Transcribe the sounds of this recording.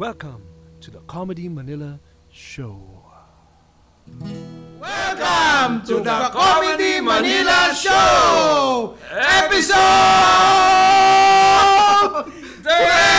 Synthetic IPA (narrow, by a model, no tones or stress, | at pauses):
wɛlˠkə̃mtʰuðəkʰɑmədimənɪlə | ʃoʊ | wɛlkəmtuəkʰɔmədiməniləʃo | ɛpiso